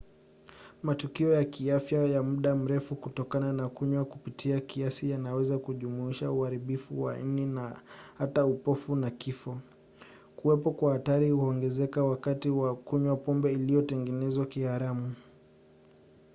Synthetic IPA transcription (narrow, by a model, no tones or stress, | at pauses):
matukiɔjakiafjajamuɗam̩ɾɛfukutɔkananakuɲwakupitʰiakiasijanawɛzakuʄumuiʃauhaɾiɓifuwa̰n̩ninahataupɔfunakifɔ | kuwɛpɔkwahataɾihuɔŋɡɛzɛkawakatiwakuɲwapɔmbɛilijɔtɛŋɡɛnɛzwakihaɾamu